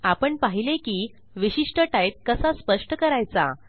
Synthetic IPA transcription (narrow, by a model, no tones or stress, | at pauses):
apəɳpaɦilekiː | ʋiɕiʂʈəʈajt̪̚kəsaspəʂʈəkəɾajt͡sa̰